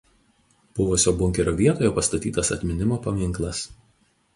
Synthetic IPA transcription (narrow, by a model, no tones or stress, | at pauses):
b̥ʊʋʊsʲoːbʊŋʲkʲɛɾʲoːʋʲiɛt̪oːjoːpɐst̪ɐt̪ʲḭːt̪ɐsɐt̪ʲmʲɪnʲɪmoːpɐmʲɪŋˑklˠɐs